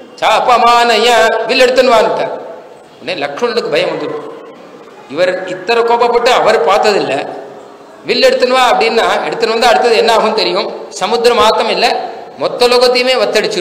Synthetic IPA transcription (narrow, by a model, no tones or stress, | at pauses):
t͡ʃaːɐpːɐɐmaːnɐjãːʋɪlːɛɽɯt̪ːɯnɯʋaːnɯkːaː | ʊnːeːlɐkʂɐmɐnɐɽɯkːɯbʱɐjɐ̃mʋɐnd̪ɯɾɯkːũ | ɪʋɐɾɪt̪ːɐɾɐkoːbɐpːɐʈːɯɐʋɐɾpaːɾt̪ɐðɪlːɐ | ʋɪlːɛɽɯt̪ːɯnɯʋaːɐpːɐɽinːaːɛɽɯt̪ːɯnɐʋɐnd̪ɯɐɽɯt̪ːɐðɯɛnːaːɣɯmt̪ɛɾɪjʊ̃sɐmʊd̪ɾɐmaːt̪ːɐmɪlːɐmɔt̪ːɐlɔɣɐt̪ːijɐmeːʋɐt̪ːɐɽɯt͡ʃːɯ